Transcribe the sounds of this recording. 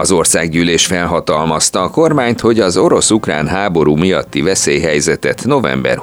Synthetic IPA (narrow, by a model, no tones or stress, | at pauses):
ɒzo̞rsaːɡɟyːleːʃfɛlɦɒt̪ɒlmɒst̪ɒːko̞rmaːɲt̪ho̞ɟɒzo̞ɾo̞sukra̰ːnɦaːbo̞ɾuːmijɒt̪ːivɛseːjɦɛjzɛt̪ɛt̪no̞vɛ̰mbɛ̰r